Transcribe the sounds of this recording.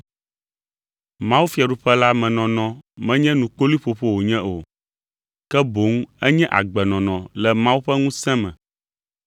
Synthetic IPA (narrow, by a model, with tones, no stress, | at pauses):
mã˦wu˦fi˦a˨ɖu˨˦ɸɛ˦la˦mɛ̃˨nɔ̃˨nɔ̃˨mɛ̃˦ɲɛ̃˦nũ˨k͡po˦li˦ɸo˨ɸo˦wo˨ɲɛ̃˦ʔo˨ | kɛ˦bo˨˦ŋ˦ɛ˦ɲɛ̃˦ʔa̰˨ɡ͡bɛ˨nɔ̃˨nɔ̃˨lɛ˨mã˦wu˦ɸɛ˦ŋũ˦sɛ̃˦mɛ̃˨